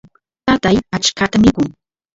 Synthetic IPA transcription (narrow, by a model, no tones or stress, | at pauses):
t̪at̪ajat͡ʃkat̪amɪkʊŋ